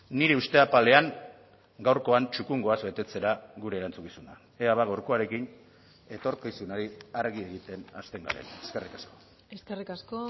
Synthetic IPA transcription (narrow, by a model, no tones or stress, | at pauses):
niɾe̞ust̪e̞apale̞aŋ | ɡawɾko̞ant͡ʃukuŋɡo̞azbe̞t̪e̞t͡se̞ɾaɣuɾe̞ːɾant͡sukisuna | eaβaɣawɾko̞aɾe̞kin | e̞t̪o̞ɾkisunaɾiaɾɣie̞ɣit̪e̞na̰st̪e̞ŋɡa̰lḛneskerikasko̞̥ | eskerikasko